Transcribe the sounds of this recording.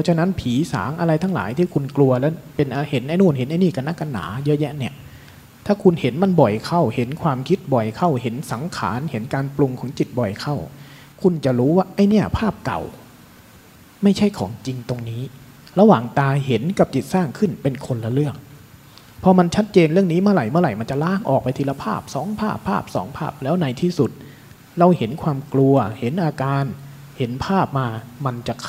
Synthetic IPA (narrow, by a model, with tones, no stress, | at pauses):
pʰɔ˧˦˥t͡ɕʰa˧na˦˥npʰiː˩˦sa̰ː˩˦ŋʔa˧ɾa˧jt̪ʰa˦˥ŋla̰ː˩˦jt̪ʰiː˥˩kʰu˧nklu˧ɐlɛː˦˥wpe˧nʔa˧he˨˩˦nʔa˧jnuː˥˩nhe˨˩˦nʔa˧jniː˥˩ka˧nːa˦˥˩ka˧nːa̰ː˩˦jɤ˦˥ʔjɛ˦˥ʔni˥˩ɐ | t̪ʰaː˥˩kʰu˧nhe˩˦nma˧nbɔ˨˩jkʰa˥˩whe˩˦nkʰwaː˧mkʰi˦˥t̪̚bɔ˨˩jkʰa˥˩whe˩˦nsa˩˦ŋkʰa̰ː˩˦nhe˩˦nkaː˧nplu˧ŋkʰɔː˩˦ŋt͡ɕi˨˩t̪̚bɔ˨˩jkʰa˥˩w | kʰu˧nt͡ɕa˨˩ɾuː˦˥waː˥˩ʔa˧˥˩jni˥˩ɐpʰaː˥˩p̚ka̰˨˩w | ma˥˩jt͡ɕʰa˥˩jkʰɔ̰ː˩˦ŋt͡ɕi˧ŋt̪o˧ŋniː˦˥ | ɾa˧waː˨˩ŋt̪aː˧ɦe˨˩˦nka˨˩p̚t͡ɕi˨˩t̪̚saː˥˩ŋkʰɯ˥˩npe˧nkʰo˧nla˧lɯ˥˩ək̚ | pʰɔ˧ma˧nt͡ɕʰa˦˥t̪̚t͡ɕeː˧nɾɯ˥˩əŋniː˦˥mɯ˥˩˨ɾa˨˩jmɯ˥˩˨ɾa˨˩jma˧nt͡ɕa˨˩laː˧˥˩ŋʔɔ̰ː˨˩k̚pa˧jt̪ʰiː˧la˧pʰaː˥˩p̚sɔː˩˦ŋpʰaː˥˩pʰːaː˥˩p̚sɔ̰ː˩˦ŋpʰaː˥˩p̚lɛː˦˥wna˧jt̪ʰiː˥˩su˨˩t̪̚ | ɾa˧whe˨˩˦nkʰwaː˧mklu˧ɐhe˨˩˦nʔaː˧kaː˧n | he˩˦npʰaː˥˩p̚maː˧ma˧nt͡ɕa˨˩kʰ